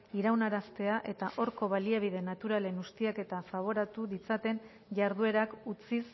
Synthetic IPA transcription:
iɾawnaɾast̪e̞aʔe̞t̪aʔo̞ɾko̞βaliaβ̞ið̞e̞nat̪uɾale̞nust̪iake̞t̪afaβ̞o̞ɾat̪uðit͡sat̪e̞n | ʝaɾð̞ue̞ɾakut͡sis

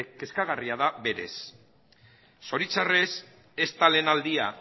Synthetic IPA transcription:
ke̞skaɣariaðaβe̞ɾe̞̰s | o̞ɾit͡sare̞s | e̞st̪aleːnald̪ia

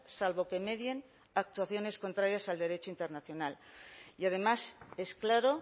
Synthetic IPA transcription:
salβo̞ke̞me̞ðje̞n | ak̚t̪waθjo̞ne̞sko̞nt̪ɾaɾjasald̪e̞ɾe̞t͡ʃoint̪e̞ɾnaθjo̞naliað̞e̞mase̞sklaɾo̞

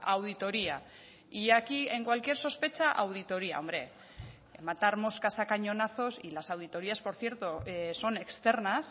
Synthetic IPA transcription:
awð̞it̪o̞ɾia | iakie̞ŋkwalkie̞ɾso̞spe̞t͡ʃaʔawð̞it̪o̞ɾia̰o̞mbɾe̞ | mat̪aɾmo̞skasakaɲo̞naθo̞silasawð̞it̪o̞ɾiaspo̞ɾθje̞ɾt̪oso̞ne̞kst̪e̞ɾnas

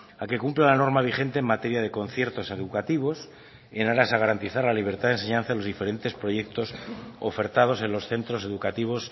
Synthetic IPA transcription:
ake̞kumplalano̞ɾmaβ̞iχe̞nt̪e̞ːmat̪e̞ɾjaðe̞ko̞nθje̞ɾt̪o̞seðukat̪iβ̞o̞s | enaɾasaɣ̞aɾant̪iθaɾlaliβ̞e̞ɾt̪aðe̞nse̞ɲãnθaðelo̞zðife̞ɾe̞nt̪e̞spɾo̞ʝe̞k̚t̪o̞so̞̰fe̞ɾt̪að̞o̞se̞nlo̞sθe̞nt̪ɾo̞se̞ðukat̪iβ̞o̞s

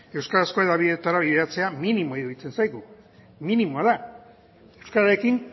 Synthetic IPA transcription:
e̞wskaɾasko̞eðaβiðet̪aɾaβiðeat͡se̞aminimo̞iuit͡se̞nsajɣu | minimo̞aða | e̞wskaɾaɾe̞kin

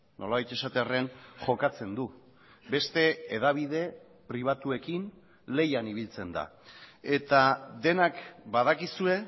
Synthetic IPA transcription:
nʔo̞laβajt̪e̞sat̪earenʝo̞kat͡se̞nd̪u | be̞st̪e̞ːðaβ̞iðe̞ | pɾiβ̞at̪ue̞kin | le̞janiβ̞ilt͡se̞nd̪a̰ | e̞t̪ad̪e̞nakbaðakisue̞

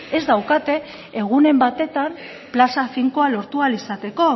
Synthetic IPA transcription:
e̞zd̪awkat̪e̞ | eɣ̞une̞mbat̪e̞t̪am | plasafiŋko̞alo̞ɾt̪ualisat̪e̞ko̞

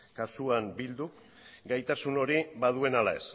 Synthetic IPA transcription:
kasuambild̪uk | ɡajt̪asuno̞ɾiβað̞ue̞nalae̞s

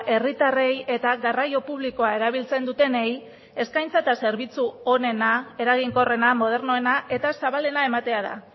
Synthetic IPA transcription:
ʔe̞rit̪are̞je̞t̪aɣarajo̞puβ̞liko̞ae̞ɾaβ̞ilt͡se̞nd̪ut̪e̞ne̞j | e̞skajnt͡saet̪ase̞ɾβit͡suo̞ne̞nae̞ɾaɣiŋko̞re̞namo̞ð̞e̞ɾno̞e̞naʔe̞t̪asaβale̞nae̞mat̪e̞að̞a̰

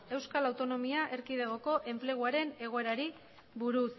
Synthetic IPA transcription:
e̞wskalawt̪o̞no̞miaʔe̞ɾkið̞eɣ̞o̞ko̞ʔe̞mple̞ɣ̞uaɾe̞ne̞ɣ̞o̞e̞ɾaɾi | βuɾus

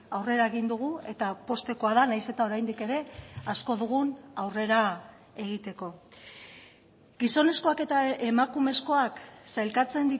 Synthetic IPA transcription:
awre̞ɾae̞ɣ̞ind̪uɣ̞ue̞t̪apo̞st̪e̞ko̞aðanajse̞t̪ao̞ɾajnd̪ike̞ɾe̞asko̞ðuɣ̞unawre̞ɾa | e̞ɣ̞it̪e̞ko̞ | ɡiso̞ne̞sko̞ake̞t̪aemakume̞sko̞aksajlkat͡se̞nd̪i

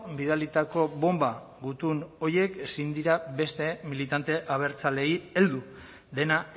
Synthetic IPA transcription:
biðalit̪ako̞βo̞mba | ɡut̪uno̞je̞kesind̪iɾaβe̞st̪e̞milit̪ant̪e̞ʔaβ̞e̞ɾt͡sale̞ie̞ld̪u | ðe̞na

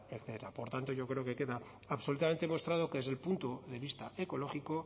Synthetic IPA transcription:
eθeɾapo̞ɾt̪ant̪o̞ʝokɾe̞oke̞ke̞ðaː | βso̞lut̪ame̞nt̪e̞mo̞st̪ɾað̞okeðeðelpunt̪oðe̞β̞ist̪a̰eko̞lo̞xiko̞

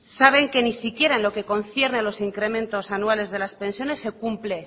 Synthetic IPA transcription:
saβ̞e̞ŋke̞nisikje̞ɾaenlo̞ke̞ko̞nθje̞ɾnelo̞siŋkɾe̞mẽ̞nt̪o̞sanuale̞zðe̞laspe̞nsjo̞ne̞sːe̞kumple̞

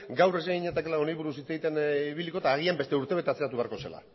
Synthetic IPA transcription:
ɡawreseɣiɲet̪akelao̞najβuɾusit͡sajit̪e̞niβiliko̞t̪aːɣ̞iambe̞st̪euɾt̪ee̞t̪e̞at͡se̞at̪uβe̞aɾko̞se̞̰la̰

